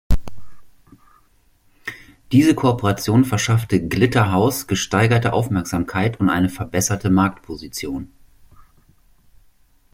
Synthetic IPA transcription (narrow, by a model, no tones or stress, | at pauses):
d̥iːzəkʰopəʁat͡sjoːnfɛɐʃaftəɡlɪtɐɦaʊsɡ̥əʃtaɪɡɐtəʔa̰ʊfmɛɐkz̥aːmkʰaɪtʊntʔa̰ɪnəfɛɐbɛsɐtəmaɐk̚tpʰozit͡sjoːn